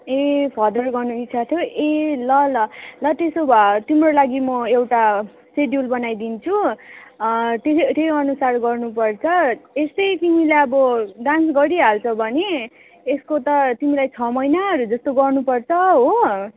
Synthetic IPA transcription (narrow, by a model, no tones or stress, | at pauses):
epʰʌd̪ʌrɡʌrnuit̪ːsʰat̪ʰjoelʌlʌlʌt̪esobt̪imrolaɡimʌewʈa | seɖjulbʌnajd̪int͡sʰu | t̪est̪ejʌnusarɡʌrnupʌrt͡sʰʌest̪ʌjt̪imilaʌbʌɖãnsɡʌɾiɦalt͡sʰʌbʱʌne | eskot̪ʌt̪imilajt͡sʰʌmʌjnaʌɾud͡zʌst̪oɡʌrnupʌrt͡sʰʌɦo